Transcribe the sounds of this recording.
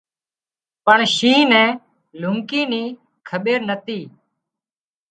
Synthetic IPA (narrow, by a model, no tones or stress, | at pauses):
pəɳʃĩːnɛ̃ː | lʊŋkiːniː | kʰəɓeːɾnət̪iː